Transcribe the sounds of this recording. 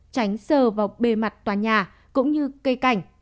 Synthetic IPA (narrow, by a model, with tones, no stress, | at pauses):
t͡ɕa˨˦jŋ̟səː˧˨˩vaː˨˩wɓe˧˩ma˨˩t̚t̪waː˨˩ɲaː˨˩ | kʊ̰˧˥ŋ͡mɲɨ˧kə˧ka˨˧˩jŋ̟